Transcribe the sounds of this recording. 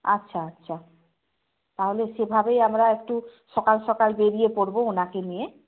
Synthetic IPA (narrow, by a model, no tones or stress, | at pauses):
atːɕʰaatːɕʰa | t̪aɦoleʃebʱabejamɾaek̚ʈuʃɔkalʃɔkalbeɾijepoɾboonakenije